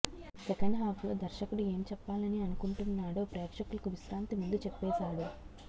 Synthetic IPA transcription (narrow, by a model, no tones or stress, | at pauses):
sɛkɐɳɖɦaːplo̞ːd̪ɐɾʃɐkuɽue̞ːmt͡ʃɛpːaːlɐniɐnukuɳʈunːaːɽoːpɾɛːkʂɐkulɐkuʋiʃɾaːnt̪imund̪ut͡ʃɛpːɛːsaːɽu